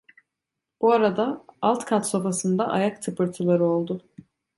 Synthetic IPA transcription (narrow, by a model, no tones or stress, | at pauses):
b̥uaɾad̪aalˠt̪kʰat̪so̞fasɯnd̪aʔa̰jakt̪ʰɯpʰɯɾt̪ʰɯlˠaɾɯo̞lˠd̪ʊ